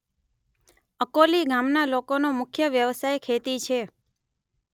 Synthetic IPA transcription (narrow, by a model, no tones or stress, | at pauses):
əkoliɡamnalokonomʊkʰjəʋjəʋsajkʰet̪it͡ʃʰe